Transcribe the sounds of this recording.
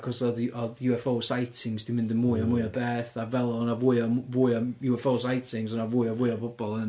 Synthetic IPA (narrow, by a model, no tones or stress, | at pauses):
kʰɔsɔðɔðjuɛfowˠsajtʰɪŋzd̥imɪ̃ndəmʊjɔmʊjɔbɛːθavɛlˠɔnavʊjɔmvʊjɔjuɛfowlˠs̬ajtʰɪŋzɔnavʊjɔvʊjɔbʊb̥ɔlˠən